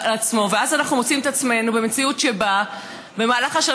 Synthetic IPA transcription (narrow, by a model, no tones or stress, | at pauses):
at͡smo̞veazanaχnumot͡simet̪at͡sme̞nube̞me̞t͡siutʃe̞ba | be̞maːlaχaʃa